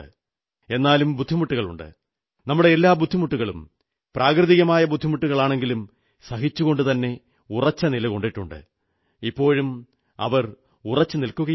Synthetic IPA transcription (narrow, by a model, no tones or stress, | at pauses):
ɨ | e̞nːaːlumbud̪ʱːimuʈːuɣɐɭṵɳɖɨ̰ | nɐmːuɽe̞elːaːbud̪ʱːimuʈːuɣɐɭṵm | praːkrɨðiɣɐmaːjɐbud̪ʱːimuʈːuɣɐɭaːɳe̞ŋɡilum | sɐhit͡ɕːuɣo̞ɳɖɨt̪ɐnːe̞ | urɐt͡ɕːɐnilɐko̞ɳɖiʈːuɳɖɨ̰ | ipːo̞ːɻum | ɐ̰ʋɐr | urɐt͡ɕːɨnilkuɣɐ